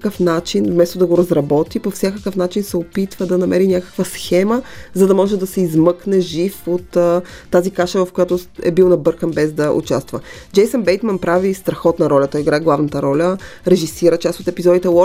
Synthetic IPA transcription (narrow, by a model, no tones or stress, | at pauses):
kəfnat͡ʃinvmɛst̪od̪ɐɡoɾɐzɾɐbɔt̪ipofsʲjakəkəfn̪at͡ʃinsɛopit̪vəd̪ɐnɐmɛɾinʲjakə̥kvəsxɛməzɐd̪ɐmɔʒɛd̪ɐsɛizmɤknɛʒifot̪ːazikaʃəvɐfkojat̪oɛ̰bilˠnɐbɤɾkəmbɛzd̪ɐʔṵt͡ʃast̪vəd͡ʒɛjsənbɛjt̪mənpɾavist̪ɾɐxɔt̪nɐɾɔlʲɐt̪ɔjiɡɾaɛɡlˠavnɐt̪əɾɔlʲəɾɛʒisiɾət͡ʃasot̪ɛpizɔd̪it̪ɛlɔ